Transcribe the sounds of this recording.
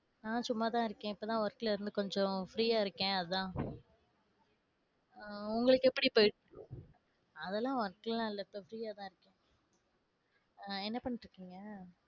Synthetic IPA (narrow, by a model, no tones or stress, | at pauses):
nãːsʊmːaːt̪ãːɪɾɯkːẽːɪpːoːt̪ãːʋɐɾkːɪlɪɾɯnd̪ɯkɔɲd͡ʒɔ̃fɾiːjaːɪɾɯkːẽːɐðɯt̪ãː | ʊŋɡɐɭɯkːɛpːɐɽipoːjʈ | ɐðɛlːãːʋɐɾkːɪllãːɪlːɐɪpːofɾiːjaːt̪ãːɪɾɯkːẽː | ɛnːɐpɐɳːɪʈɾɯkːiːŋɡɐ